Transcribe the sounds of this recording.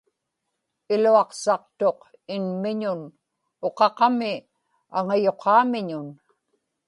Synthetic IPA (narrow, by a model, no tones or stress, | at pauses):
ɪluɑqsɑq̚t̪o̞q | ɪnmɪɲʊn | oqɑqɑmɪ | aŋajo̞qʰɑːmɪɲʊn